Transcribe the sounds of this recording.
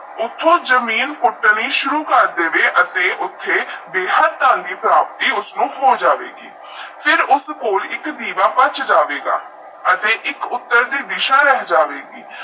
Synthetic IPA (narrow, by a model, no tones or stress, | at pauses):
ʊt̪ʰːõːzəmiːnpʊʈːniːʃʊɾuːkəɾd̪eːʋeːʔət̪eːʔʊt̪ʰːeːbeːɦəd̪̚t̪ãːnd̪iːpɾaːp̚t̪iːʊsnũːɦoːd͡ʒaːʋḛːɡḭː | fʰɪɾʊskoːlɪkd̪iːʋaːpət͡ʃd͡ʒaːʋeːɡa̰ː | ət̪eːʔɪkʊt̪ːəɾd̪iːd̪ɪʃaːɾɛɦd͡ʒaːʋeːɡiː